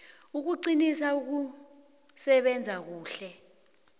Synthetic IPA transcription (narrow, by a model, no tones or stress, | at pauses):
uk̬uǀinisauk̬u | sɛɓɛnd͡zʱak̬uːɬɛ